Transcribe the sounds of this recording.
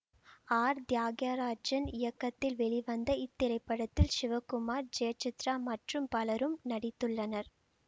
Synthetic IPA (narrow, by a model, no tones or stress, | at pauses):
aːɾd̪jaːɡjaːɾaːd͡ʒɐnɪjɐkːɐt̪ːɪlʋɛɭiʋɐnd̪ɐɪt̪ːɪɾɐɪpːɐɽɐt̪ːɪlʃɪʋɐkʊmaːɾd͡ʒeːt͡ʃɪt̪ɾaːmɐʈrɯmpɐlɐɾɯmnɐɽɪt̪ːɯɭːɐnɐɾ